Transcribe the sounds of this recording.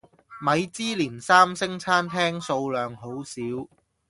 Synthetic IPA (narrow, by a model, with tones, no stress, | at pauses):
mɐ˨˧jt͡siː˥liː˨˩nsaː˥msɪ˥ŋt͡sʰaː˥nt̪ʰɛː˥ŋso˧wlœː˨ŋɦo˨˥wsiː˨˥w